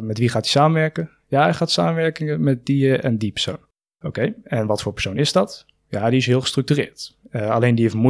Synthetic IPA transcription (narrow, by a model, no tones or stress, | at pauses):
mɛtʋiχaːti̥saːməʋɛɹkə | jaχaːtsaːməʋɛɹkɪŋəmɛt̚diɛ̰ndipə̥ɹso̰wn | owkejɛnʋɑtfʊːɹpəɹsownɪzdɑt | jaːdiɪsɦɪːlˠχə̥strɵk̚tyːrɪ̰ːɹtalejndiefmu